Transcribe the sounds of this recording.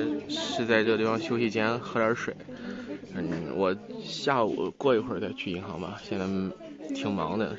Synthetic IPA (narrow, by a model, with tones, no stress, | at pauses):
ʂɻ̩˥˧t͡sa˥˧ɪʈ͡ʂɤ˥˧i˥˩fɑ˧˥ŋɕjo˥ʊɕi˥˩t͡ɕjɛ˥nxɤ˧˥ə˞˧˥ʂwe˨˩˦ɪn̩˥˩wʔɔ˨˩ɕja˥˩ṵ˨˩kwɔ˥˩i˧˥xwə˥˧t͡sa˥˧ɪt͡ɕʰy˥˩i˧˥ŋxɑ˧˥ŋbɐ̰˧ɕjɛ˥˧na˧˩ | t̪ʰi˨˩ŋmɑ̰˧˥ŋd̪ə̰˧